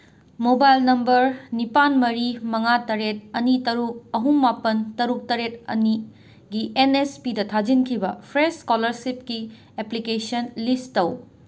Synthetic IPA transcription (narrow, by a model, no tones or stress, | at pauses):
mobajlnɐmbɐɾnipanmɐɾimɐŋatɐɾet̚ɐnitɐɾuk̚ɐɦuŋːapɐntɐɾuk̚tɐɾet̚ɐ̰ni | ɡienespidɐtʰad͡ʒinkʰibɐpʰɾeskolɐɾsip̚ki | eplikesɐnlistɐw